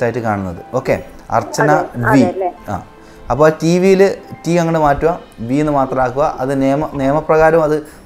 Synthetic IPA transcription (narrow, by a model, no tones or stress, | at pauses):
aːjitːɨkaːɳunːɐðɨo̞ːkːḛ | ɐ̰rt͡ɕːɐnɐbia̰ː | ɐpːoːtiʋijilɨtiɐŋːɐɳɽemaːtːuʋɐ | bienːɨmaːt̪rɐmaːkːuɣɐʔɐðɨneːmɐneːɐmɐprɐɣaːɾɐmɐðɨ